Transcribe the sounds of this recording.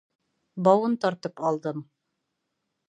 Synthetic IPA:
bɑwɤnt̪ɒɾt̪ɤpɑlˠd̪ɤm

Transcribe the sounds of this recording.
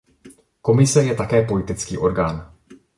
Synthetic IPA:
ko̞mɪsɛjɛt̪akɛːpolɪt̪ɪt͡skiːʔo̞ɾɡaːn

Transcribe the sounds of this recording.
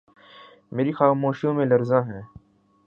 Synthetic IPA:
meːɾixaːmoːʃjõːmẽːləɾzãːɦɛ̃ː

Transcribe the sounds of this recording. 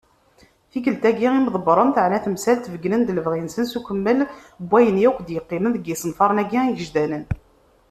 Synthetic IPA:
θiɡəlt̪æɡiʁimðˤəbɾˤənt̪əʕnæθəmsælt̪vəɡnənd̪ləvʁinsənsukʷəmːəl | bʷːæjənjækʷd̪jəqːimənðəɡːisˤənfɑɾˤnæɡiiʝəʒd̪ænən

